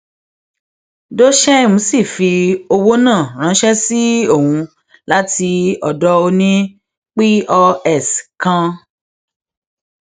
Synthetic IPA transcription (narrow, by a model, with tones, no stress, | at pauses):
do˦ʃɛ˦˨mũ˨˦si˦˨fi˧o˧wo˦nãː˦˨ɾ̃ã˨˦ʃɛ˦si˦o˦˨hũ˧ | la˦ti˧ɔ˨dɔ˦o˧nĩ˦ | k͡pi˦ɔ˧ɛ˦˨skã˧